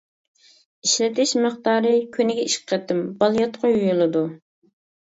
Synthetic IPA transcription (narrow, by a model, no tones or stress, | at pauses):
iʃlɪt̪ʰɪʃməχt̪ɑːɾɨkʲʰynɪɡʲɛiʃqʰɛt̪ːɪmbɑlˠjɑt̪qʰʊjujulˠɨd̪u